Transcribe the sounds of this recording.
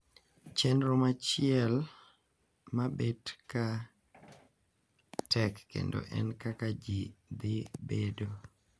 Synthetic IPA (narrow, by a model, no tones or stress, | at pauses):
t͡ʃɛnɾomat͡ʃɪɛl | mabedka | tʰɛkːḛndo̰ʔɛ̰nkakad͡ʒid̪ɪbedo